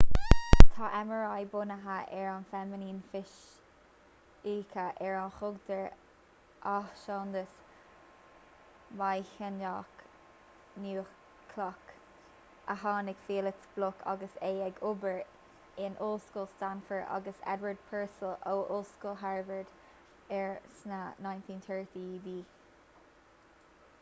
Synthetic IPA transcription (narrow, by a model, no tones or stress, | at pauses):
t̪ʰɑːʔɛməɹajbʊnəɦaʔɛɹanfɛmɪniːnfɪʃ | iːkʰəʔɛɹanxʊɡd̪əɹ | ʔahʃoːnd̪əs | majçənjɑːk | nuːx | kʰlɔk | əɦɑːnɪkfiːlɪksb̥lʊkʰa̰ɡəseːɛɡʊbəɹ | ɪnʔʊlskuːlstanfəɹda̰ɡəsɛ̰d̪wəɹd̪̚pʰɛɹsəlʔoːʔʊlskuːlɦɛɹvəɹd̪ | ɛɹsnanajnt̪ʰĩːnt̪ʰɜɹt̪ʰiːdiː